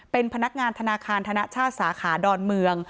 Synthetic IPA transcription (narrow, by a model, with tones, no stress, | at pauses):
pe˧npʰa˧na˦˥k̚ŋaː˧nt̪ʰa˧naː˧kʰaː˧nt̪ʰa˧na˦˥ʔt͡ɕʰaː˥˩t̪̚saː˩˦kʰaː˩˦dɔː˧nmɯ˧əŋ